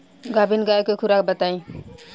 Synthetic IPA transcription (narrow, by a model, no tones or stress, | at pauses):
ɡabinɡaekokʰuɾakbət̪aĩ